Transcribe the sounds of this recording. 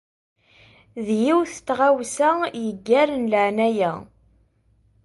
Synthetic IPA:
ðjiwθt͡s̪ːʁawsæjəɡːæɾənləʕnæjæ

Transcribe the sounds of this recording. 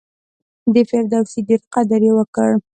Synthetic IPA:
d̪əfeɾd̪awsid̪iɾt̪qad̪aɾewəkəɽ

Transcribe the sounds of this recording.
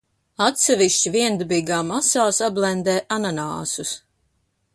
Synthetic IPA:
at̪sɛviʃt͡ɕiviɛnd̪biːɡaːmasaːsablˠɛnd̪ɛːʔananaːsus

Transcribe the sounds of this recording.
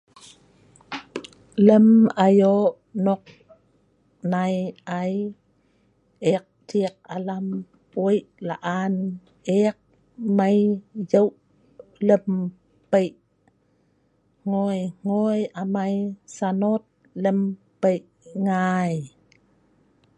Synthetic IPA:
ləmajoʔnɔk̚ | najʔaj | ek̚tik̚alam | pojʔla̰ʔan | ek̚ | majjəwʔ | ləm | pəjʔ | ŋojŋ̥ojamajsanot̪̚ | ləmpəjʔ | ŋaj

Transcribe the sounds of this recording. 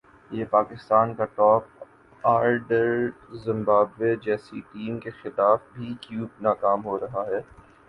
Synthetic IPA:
jeːpaːkɪst̪aːnkaʈɔːp̚ | aːɾɖəɾzɪ̃mbaːbʋed͡ʒɛːsiʈiːmkexɪlaːfbʱikjuːbnaːkaːmɦoɾɐɦaɦɛː

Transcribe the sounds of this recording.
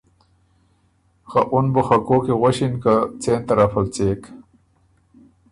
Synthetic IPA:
xaʔunbuxɐkoːkiɣoɕinkat͡seːnt̪ɐɾɐfɐlt͡seːk

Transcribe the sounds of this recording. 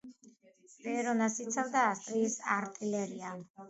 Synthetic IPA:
vɛɾɔnasit̪sʰavd̪aːst̪ʼɾiːsaɾt̪ʼilɛɾia

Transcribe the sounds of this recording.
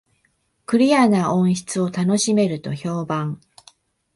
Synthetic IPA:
kɯ̟ɾʲijanaʔõ̞ɰ̃ɕi̥t͡sɨo̞t̪ano̞ɕime̞ɾɯ̟t̪o̞ço̞ːbãŋ

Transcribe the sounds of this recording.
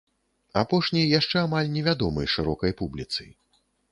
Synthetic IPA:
apɔʂnʲɐjjaʂt͡ʂɛamalʲnʲɛvʲad̪ɔmɐjʂɨɾɔkɐjpublʲit̪sɨ̰j

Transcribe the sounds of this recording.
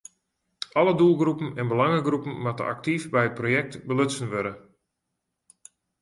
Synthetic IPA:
ʔɔlədulˠɡrupən̩ɛnbəlaŋəɡrupən̩matə̰ʔa̰k̚tifbɛjət̚projɛk̚tbəløtsənʋøɾə

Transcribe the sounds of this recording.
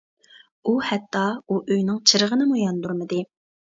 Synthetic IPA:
uhɛt̪ʰːɑuʔøjnɪŋt͡ʃʰɨɾəʁənɨmujɑnd̪uɾmɨd̪ɨ

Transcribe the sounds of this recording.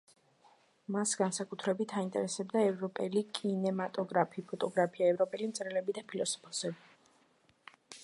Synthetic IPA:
masɡansakʼut̪ʰɾɛbit̪ʰaint̪ʼɛ̰ɾɛsɛbd̪aɛvɾɔpʼɛlikʼinɛmat̪ʼɔɡɾapʰipʰɔt̪ʼɔɡɾapʰiaɛvɾɔpʼɛlimt̪sʼɾɛlɛbid̪apʰilɔsɔ̥pʰɔ̥sɛbi

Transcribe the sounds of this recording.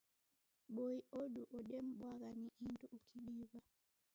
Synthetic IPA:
ɓɔiɔɗuʔɔɗɛm̩ɓwaɣaniʔinduʔukʰiɗiβa

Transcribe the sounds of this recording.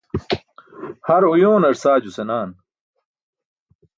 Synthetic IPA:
hɐɾujoːnɐɾsaːd͡ʑusenaːn

